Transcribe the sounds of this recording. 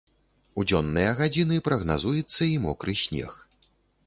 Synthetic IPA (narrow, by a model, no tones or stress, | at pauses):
ud͡zʲɔnːɨjɐɣad͡zʲinɨpɾɐɣnazujɛt̪sːɐimɔkɾɨsʲnʲɛ̰x